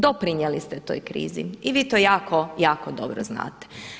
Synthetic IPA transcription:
d̪opɾiɲjelist̪ɛt̪o̞̰jkɾḭːzḭiʋiːt̪ojaːkojaːkod̪o̞̰bɾozna̰ːt̪e̥

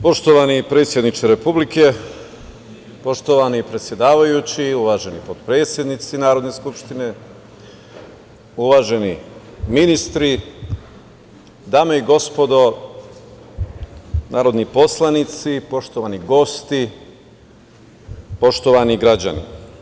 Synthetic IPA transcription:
po̞ʃt̪oʋanipɾe̞t̪sʲje̞d̪nit͡ʃeɾepublike̞ | po̞ʃt̪oʋanipɾe̞t̪sje̞d̪aːʋajut͡ɕiuʋaːʒe̞nipod̪pɾe̞ːt̪sjed̪nit̪sinaːɾo̞d̪ne̞skupʃt̪ine̞ | uʋaːʒe̞niminist̪ɾi | d̪aːmeiɡo̞spo̞d̪o̞ | naːɾo̞d̪nipo̞slˠanit̪sipo̞ʃt̪oʋaniɡo̞st̪i | po̞ʃt̪oʋaniɡɾad͡ʑa̰nḭ

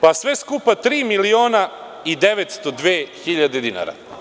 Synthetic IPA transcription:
pasʋe̞skupat̪ɾiːmilioːna | id̪e̞ʋet̪st̪o̞d̪ʋeːxiʎad̪ed̪ina̰ɾa̰

